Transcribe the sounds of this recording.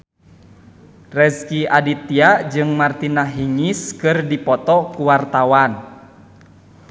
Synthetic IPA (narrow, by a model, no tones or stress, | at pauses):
rɛskiadit̪iad͡ʒɨŋmart̪inaɦiŋiskɨrdipɔt̪ɔkuwart̪awan